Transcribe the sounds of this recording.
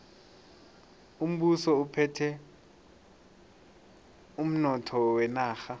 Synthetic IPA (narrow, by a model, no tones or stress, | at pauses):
um̩ɓusɔupʰɛtʰɛ | um̩nɔtʰɔwɛnaːxa